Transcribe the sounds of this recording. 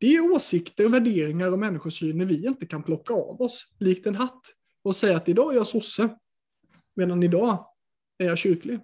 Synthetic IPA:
d̪̥ɛæɾoːsɪkt̪əɾɔvæɖeːɾɪŋaɾɔmɛnːɪɧʊʂyːnəɾvɪɪnt̪əkʰanpʰlɔkːaɑ̰ːvɔsliːk̚t̪ɛnɦat̪ː | ɔsɛjːaːt̪ɪd̪ɑːæɾjɑsʊsːə | meːd̪anɪd̪ɑː | æɾjɑɕʏɾklɪ

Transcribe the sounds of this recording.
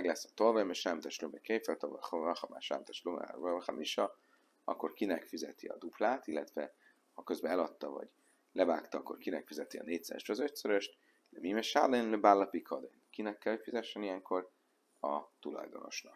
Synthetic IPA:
ɛɡlɛsːɒ̥t̪olvɛmeʃaːmt̪ɛʃlomɛkejfɛlt̪ɒv̰ɒxɒma̰ʃa̰ːmt̪ɛʃlomɛ̰vɔχɑ̰mʔiʃɒ | ɒkːo̞rkinɛkfizɛt̪iɒ̰d̪uplaːt̪ilːɛt̪vɛ | hɒkøzbɛɛlɒt̪ːɒvɒ̰ɟ | lɛvaːkt̪ɒɒkːo̞̰rkinɛkfizɛt̪iɒ̰neːct̪sɛ̰ɛ̰ʃt̪ːzøt̪søɾøʃt̪ | d̪ɛmimɛʃa̰lenløbalːɒpikʰɒd̪enkinɛkːɛlhøːcfizɛʃːɛnijɛŋko̞r | ɒt̪ulɒ̰jd̪ono̞̰ʃnɒk

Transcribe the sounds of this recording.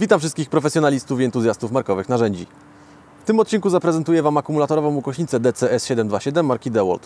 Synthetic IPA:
vʲit̪amfʂɘst̪kʲixpɾɔfɛsjɔnalʲist̪ufʲiɛnt̪uzʲjast̪ufmaɾkɔvɘxnaʐɛɲd͡ʑḭ | ft̪ɘmɔt̪̚t͡ɕinkuzapɾɛzɛnt̪ujɛvamakumulat̪ɔɾɔvɔ̃ukɔɕɲit̪sɛd̪ɛt̪sɛɛsɕɛd̪ɛmd̪vaɕɛd̪ɛmːaɾkʲid̪ɛwɔ̰lt̪

